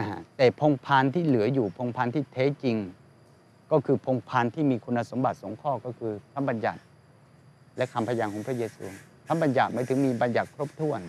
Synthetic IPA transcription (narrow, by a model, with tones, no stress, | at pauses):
ʔa˧ɦa˧˩t̪ɛː˨˩pʰo˧ŋpʰaː˧nt̪ʰiː˥˩lɯ˩˦ɐjuː˨˩pʰo˧ŋpʰaː˧nt̪ʰiː˥˩t̪ʰɛː˦˥˨t͡ɕi˧ŋ | kɔː˥˩kʰɯː˧pʰo˧ŋpʰaː˧nt̪ʰiː˥˩miː˧kʰu˧nːa˧so˩˦mba˨˩t̪̚so˨˩˦ŋkʰɔː˥˩kɔː˥˩kʰɯː˧k̪ʰa˦˥mba˧nja̰˨˩t̪̚ | lɛ˦˥ʔkʰa˧mpʰa˧jaː˧ŋkʰɔ˩˦ŋpʰɾa˥˩jeː˧sṵː˧ | t̪ʰa˦˥mba˧nja˨˩t̪̚ma˦˥jt̪ʰɯ˩˦ŋmiː˧ba˧nja˨˩t̪̚kʰɾo˦˥p̚t̪ʰu˥˩ən